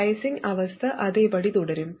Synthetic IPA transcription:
ɐɪsɪŋɐʋɐst̪ʰɐʔɐðeːpɐɽit̪ʊɽɐɾɯm

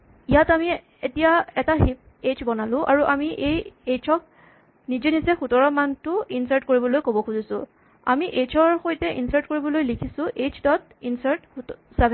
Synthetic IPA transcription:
ijatami | etijaɛtaɦip̚ | et͡ʃbɔnalʊ̃ʔaɹuʔamiʔejejt͡ʃʰɔk̚ | nizenizɛxutɔɹɔmantʊinsaɹtkoɹibɔlojkobɔkuzisʊ̰̃ | a̰miʔet͡ʃʰɔɹxojtɛʔḭnsaɹtkoɹibɔlojlikʰisʊ̃ʔet͡ʃʰdɔt̚ | insaɹtsɛbɛ

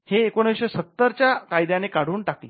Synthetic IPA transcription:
heːkoñəwɕesət̪ːəɾt͡ɕjakajd̪janekaɽ̤uːɳʈakle

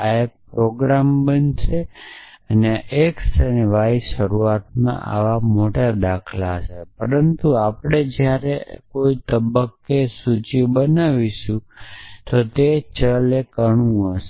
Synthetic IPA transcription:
aek̚pɾoɡɾambənʃe | əneʔeksənʋaiʃəɾuat̪̚mã̰ʔa̰ʋamoʈad̪akʰlat͡ʃʰepəɾənt̪uapɽ̃ed͡ʒjaɾekoit̪əbəkːesut͡ʃibənaʋiʃũt̪ot̪et͡ʃəlekəɳũəʃe

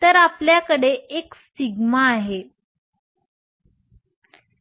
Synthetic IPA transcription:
t̪əɾapljakəɽeʔekst̪iɡmaːɦe

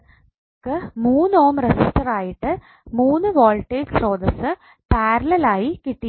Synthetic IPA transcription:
kːɨmuːnːoːmresisʈɐraːjiʈːɨ | muːnːɨʋoːlʈːeːɡsro̞ːd̪ɐsɨ | paːɾɐlɐlaːjikiʈːi

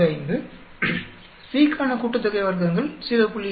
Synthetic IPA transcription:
ɐɪnd̪ɯ | siːkːaːnɐkʊʈːɯt̪ːɐɣɐɪʋɐɾkɐŋɡɐɭsɪʋɐpʊɭːɪ

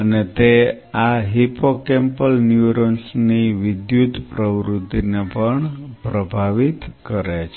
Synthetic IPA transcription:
ənet̪e | aɦipokempəlnjuɾənsniʋɪd̪jud̪ʱpɾəʋɾut̪ːinepəɳpɾəbʱaʋit̪kəɾet͡ʃʰ

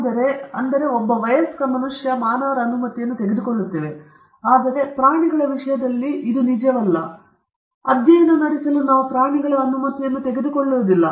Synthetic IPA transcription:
d̪ɐɾe̞ɐnd̪ɐɾe̞obːɐʋɐjɐskɐmɐnuʂjɐmaːnaːɾɐɐnumɐt̪ːijɐnːut̪e̞ɡed̪uko̞ɭːut̪ːiʋe̞ | aːd̪ɐɾe̞pɾaːɳiɡɐɭɐʋiʂɐjɐd̪ɐlːiid̪unid͡ʒɐʋɐlːɐ | ɐd̪jɐjɐnɐnɐɽisɐlunaːʋupɾaːɳiɡɐɭɐɐnumɐt̪ijɐnːut̪e̞ɡed̪uko̞ɭːuːɐd̪ilːɐ

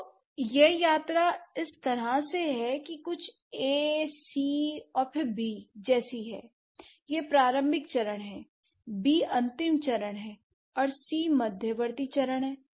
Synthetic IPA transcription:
jejaːt̪ɾaɪst̪ɐɾaseɦɛkikʊt͡ʃʰ | eːsiːɔːɾpʰɪɾbiːd͡ʒɛːsiɦɛ̰ː | jepɾaːɾə̃mbʱɪkt͡ʃɐɾəɽ̃ɦɛː | biːɐ̃nt̪ɪmt͡ʃɐɾəɽ̃ɦɛː | ɔːɾsiːmɐd̪ʱjəʋəɾt̪it͡ʃɐɾəɽ̃ɦɛː

